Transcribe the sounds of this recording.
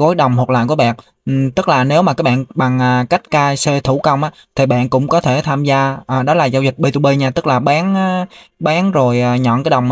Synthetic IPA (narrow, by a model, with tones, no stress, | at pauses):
ko˨˦jɗə˨˩wŋ͡mhk̚la̰ː˧˨jku˧˩əɓa̰ː˨n˨ | t̪ɨ˦˥k̚laː˨˩ne˨˦wmaː˨˩kaː˨˦˥k̚ɓa̰ː˧˨nɓa˨˩ŋʔaː˨˩ka˦˥jk̟̚kaː˧jse˧t̪ʰu˧˩kə˧wŋ͡mʔaː˨˦t̪ʰi˨˩ɓa̰ː˧˨nkʊ̰˧˥ŋ͡mkɔ˨˦t̪ʰe˧˩t̪ʰaː˧mzaː˧ʔəː˨˩ɗɔ˨˦laː˨˩zaː˧wzï˨˩k̟̚ɓe˧t̪u˧ɓe˧ɲaː˧t̪ɨ˦˥k̚laː˨˩ɓaː˨˦nː˨˧˦ | ɓaː˨˦nzo˨˩jʔaː˨˩ɲɔ̰˧˨nkaː˨˦jɗə˨˩wŋ͡m